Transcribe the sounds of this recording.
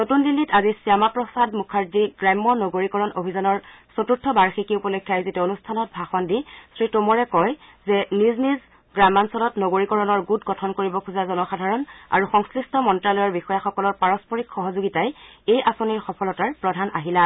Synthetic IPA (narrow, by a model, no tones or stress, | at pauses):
notundilːitazisiamapɹɔsadmukʰaɹdiɡɹajmːɔnoɡoɹikɔɹɔnobʱizɔnɔɹsotuɹtʰːɔbaɹxikiupɔlokʰːiajzitɛonustʰanɔt̚bʱaxɔndisɹitomɔɹɛkɔjzɛnizniz | ɡɹamansɔlɔtnoɡoɹikɔɹɔnɔɹɡutɡɔtʰɔnkoɹibɔkʰuzazɔnɔxadʱaɹɔna̰ɹuxɔŋskɹistɔmɔntɹalɔjɔɹbixɔjaxɔkɔlɔɹpaɹɔspɔɹikxɔɦɔzuɡitajejʔasoniɹxɔpʰɔlɔtaɹpɹɔdʱanaɦila